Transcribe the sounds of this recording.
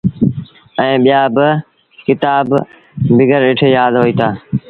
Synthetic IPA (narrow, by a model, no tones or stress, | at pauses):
ɛ̃ːɓijaːbɪ | kɪt̪aːb | bɪɡəɾɪʈʰeːjaːd̪ɦoːiːt̪ʰaː